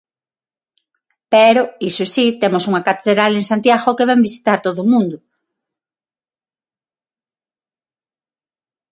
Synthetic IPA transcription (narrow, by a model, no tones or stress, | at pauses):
pɛɾoisosit̪emosuŋɐkat̪eðɾaleŋsant̪jaɣokeβɛmbisi̥t̪aɾt̪oðʊmũnd̪ʊ